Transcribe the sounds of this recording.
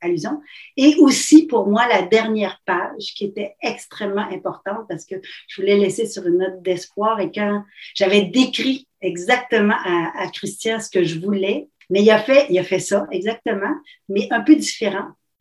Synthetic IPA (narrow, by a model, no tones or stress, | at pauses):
alyzjɔ̃eʔosipuʁmwalad̪ɛʁnjɛːʁpaʒkʲiet̪ɛɛkst̪χɛmːɑ̃ʔɛ̃pɔʁt̪ɑ̃t̪̚paʁsə̥kəʒəvulɛlɛsesyʁynːɔt̪̚d̪ɛspwaːʁekɑ̃ʒ̥avɛd̪ekʲʁi | ɛɡzak̚t̪əmɑ̃ʔaːkʁist̪jɛ̃sə̥kəʒəvulɛ | mɛilafɛilafɛsɔɛɡzak̚t̪əmɑ̃ | mɛʔœ̃pød̪ifeʁɑ̃